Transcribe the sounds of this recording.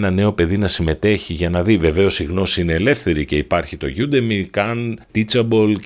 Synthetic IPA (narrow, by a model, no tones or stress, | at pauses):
nɐne̞o̞pe̞ðinɐsime̞t̪e̞çiʝɐnɐðive̞ve̞o̞siɣno̞siineːle̞fθe̞ɾice̞ipɐɾçit̪o̞ʝud̪e̞mikɐnt̪it͡sɐbo̞l